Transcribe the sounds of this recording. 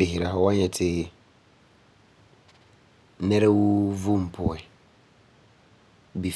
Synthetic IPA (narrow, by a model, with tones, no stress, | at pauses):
bɪ˨ɦɪ˨ɾa˨hɔ˨wa˦ɲɛ˨tʰɪ˦ | nɛ˦ɾɛ˦wu˦vu˦m̩˨pʰʊ˨ɛ˨ | bi˨